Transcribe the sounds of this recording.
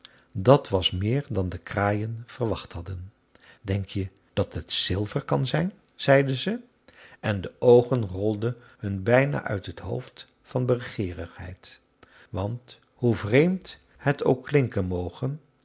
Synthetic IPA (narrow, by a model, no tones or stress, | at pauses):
dɑtʋɑsmɪːɹdɑndəkraːjənv̥ərʋɑχtɦɑdən | dɛŋkjə | d̥ɑtɦətsɪlˠvəɹkɑnzɛjn | z̥ɛjdəzə | ʔɛndəʔowχənrɔlˠdə | hɵnbɛjna̰ːʔœ̰ɥtɦətɦo̰wft | fɑnbərəχɪːrəχɦɛ̰jt | ʋɑnt | huvrejmt | hətowkːlɪŋkənmowχən